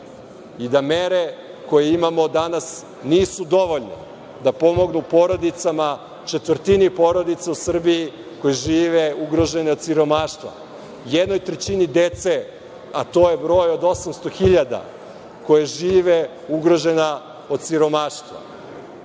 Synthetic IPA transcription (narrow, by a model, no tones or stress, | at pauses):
id̪ame̞ɾe | ko̞jeimamo̞d̪anas | niːsud̪o̞ʋo̞ʎnḛ | d̪apo̞mo̞ɡnupo̞ɾo̞d̪it̪sama | t͡ʃet̪vr̩t̪inipo̞ːɾo̞d̪it̪sausr̩biji | ko̞jeʒiːʋeuɡɾo̞ʒe̞neo̞d̪siɾo̞maːʃt̪vʋa̰ | jed̪no̞jt̪ɾet͡ɕinid̪e̞t̪se | at̪o̞ːjebɾo̞ːjod̪o̞samst̪o̞xiʎad̪a̰ | ko̞jeʒiːʋe | uɡɾo̞ʒe̞na | o̞d̪̚siɾo̞maʃt̪ʋa̰